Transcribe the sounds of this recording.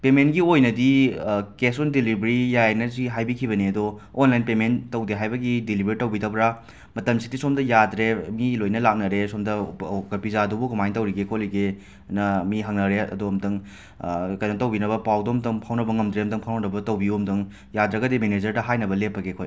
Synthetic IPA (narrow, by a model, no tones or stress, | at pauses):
pementɡiojnɐdikesondilibɾijajnɐziɦajbikʰibɐniɐdoː | nlajnpementɐwdeɦajbɐɡidilibeɾitɐwbidɐbɾa | mɐtɐmsidisomdɐjadɾemilojnɐlak̚nɐɾesomdɐkɐpizadubukumajntɐwɾiɡekʰoliɡe | nɐmiɦaŋnɐɾeɐ̰duɐmtɐŋ | kɐjnɐtɐwbinɐbɐpawdomtɐŋpʰawnɐbɐŋɐmdɾeɐmtʰɐŋpʰawnɐnɐbɐtɐwbiuɐmdɐŋ | jadɾɐɡɐdimened͡ʒɐɾdɐɦajnɐbɐlepːɐɡekʰoj